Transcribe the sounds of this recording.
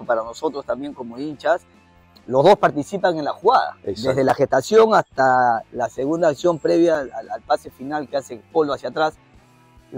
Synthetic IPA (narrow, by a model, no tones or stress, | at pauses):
opaɾano̞so̞t̪ɾo̞st̪ambje̞ŋko̞mo̞int͡ʃas | lo̞zðo̞spaɾt̪isipaŋe̞nlaxuɣaða̰sd̪ezðelaxest̪asjo̞ŋast̪alase̞ɣund̪aːksjo̞mpɾe̞βjaalpase̞finalkease̞po̞loasjat̪ɾas